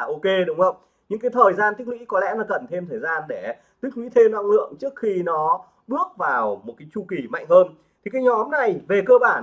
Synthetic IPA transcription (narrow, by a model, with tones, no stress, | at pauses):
ʔo˧ke˧ɗʊ˨˦ŋ͡mhə˧wŋ͡m | ɲɨ̰˧˥ŋkaː˨˦jt̪ʰəː˨˩jzaː˧nt̪i˦˥k̚wḭ˧˥kɔ˨˦lɛ̰˧˥lɔ˨˩kə˨˩nt̪ʰe˧mt̪ʰəː˨˩jzaː˧nɗe˧˩ | t̪i˦˥k̚wḭ˧˥t̪ʰe˧mna̰˧ŋlɨ̰˧˨əŋt͡ɕɨ˦˥ək̚xi˧nɔ˨˦ | ɓɨ˦˥ək̚vaː˨˩wmo˨˩kaː˨˦jt͡ɕu˧ki˧˩ma̰˧˨jŋ̟həː˧n | t̪ʰi˨˩kaː˨˦jɲɔ˨˦mna˨˩jve˨˩kəː˧ɓaː˧˩n